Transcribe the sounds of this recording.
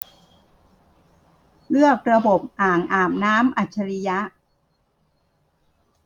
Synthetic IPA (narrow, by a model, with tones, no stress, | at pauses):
lɯ˥˩ək̚ɾa˧bo˨˩p̚ʔaː˨˩ŋʔaː˨˩m̚naː˦˥mʔa˨˩t̪̚t͡ɕʰa˧ɾi˦˥ja˦˥ʔ